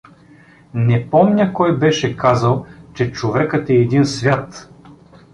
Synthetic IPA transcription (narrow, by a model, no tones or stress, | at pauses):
nɛpɔmnʲəkɔjbɛʃɛkazəlˠt͡ʃɛt͡ʃovɛkət̪ɛːd̪insvʲjat̪